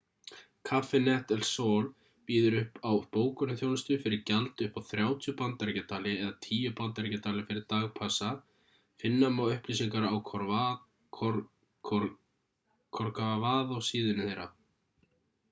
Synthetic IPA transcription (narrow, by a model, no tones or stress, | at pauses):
kʰafɛnɛht̪ɛlsoːl | piːðʏɾʏhpawpoːwkʏnʏθjoːwnʏst̪ʏfɪɾɪɾcalt̪ʏhpawθɾjaːwt̪ʰjʏpant̪aɾcat̪ʰaːlɪɛðat̪ʰiːjʏpant̪aɾcat̪ʰaːlɪfɪɾɪɾt̪aːɣpʰasa | fɪnːamawʏhpliːsiŋkaɾaawʰɔ | kʰɔɾkavaːðawsiːðʏnɪθejɾa̰